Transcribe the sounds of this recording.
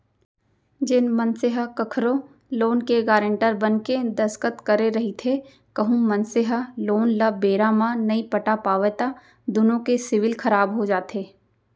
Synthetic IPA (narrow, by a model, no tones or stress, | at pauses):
d͡ʒɪnmɐnsɪɦəkɐkʰɾõ | loːnkeɡaːɾə̃ɳʈəɾbɐnked̪ɐskət̪kɐɾeɾɐɦit̪ʰe | kɐɦũmɐnsɪɦəloːnlabeːɾamãnɐipɐʈapaːʋet̪a | d̪ʊnõkesɪʋɪlkʰɐɾaːbɦod͡ʒaːt̪ʰeː